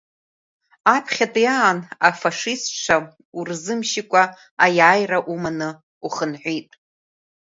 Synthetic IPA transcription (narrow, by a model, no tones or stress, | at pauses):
apʰχʲatʼijaːnafaʂisʈ͡ʂʷʰa | urzɨmʃikʷʼa | ajaːjraʔumanɨ | uχənħʷijtʼ